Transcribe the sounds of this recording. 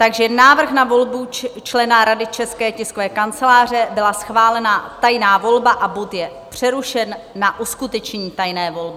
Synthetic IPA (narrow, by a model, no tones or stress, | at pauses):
t̪aɡʒɛnaːvr̩xnavo̞lbut͡ʃlɛnaɾadɪt͡ʃɛskɛːcɪskovɛːkant͡sɛlaːr̝ɛbɪlasxvaːlɛnat̪ajnaːvo̞lbaʔabot̪jɛ | pr̝̥ɛɾuʃɛnːaʔuskut̪ɛt͡ʃɲɛɲiːt̪ajnɛːvo̞lbɪ